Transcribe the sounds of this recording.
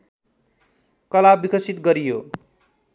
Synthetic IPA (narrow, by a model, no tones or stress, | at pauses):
kʌlabikʌsit̪ɡʌɾijo